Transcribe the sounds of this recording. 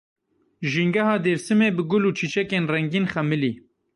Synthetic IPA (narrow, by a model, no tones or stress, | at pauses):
ʒiŋɡɐhɑːd̪eːɾsɨmeːbɨɡʊluːt͡ʃʰit͡ʃɛkeːnrɛŋɡiːnxɛmɨlḭː